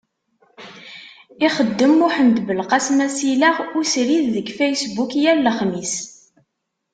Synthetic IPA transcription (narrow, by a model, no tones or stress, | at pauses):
iχəd̪ːəmːʊħənd̪bəlqasmæsilæʁʊsɾiððəɡfæjsbukjælːəχmis